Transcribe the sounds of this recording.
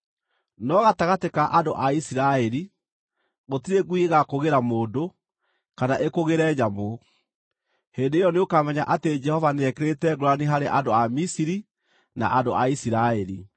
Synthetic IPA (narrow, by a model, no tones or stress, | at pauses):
nɔɣataɣatekaʔadoʔaisiɾaɛɾi | ɣotiɾeɡuieɣakoɣeɾamoːdo | kanaʔekoɣeɾɛɲamo | hendeːjɔneokamɛɲa̰ʔated͡ʒɛhɔvaneɛkeɾetɛɡoɾoaneɦaɾeʔandoamisiɾi | na̰ʔadoʔaisiɾaɛɾi